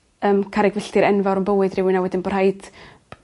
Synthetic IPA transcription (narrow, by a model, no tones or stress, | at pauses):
əːmkʰaɾɛɡvɪɬtɨɾɛnvaɾənbəwɨdrɪwɪnawɛdɪnbɔr̥hajd̥